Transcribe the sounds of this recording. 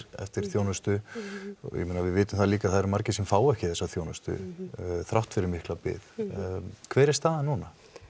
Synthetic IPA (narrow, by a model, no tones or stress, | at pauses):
ɛ̰ft̪ɪɾ̥θjownʏst̪ʏ | ɔ̰jɛ̰meːnavɪðvɪːt̪ʏmθaðliːkaθaðɛɾʏmaɾcɪsɛmfaːwɛhcɪ̥θɛsaθjoːwnʏst̪ʏ̰θɾawht̪fɪɾɪɾmɪhklapɪ̰ð | kʰvɛːɾɛst̪θaðanuna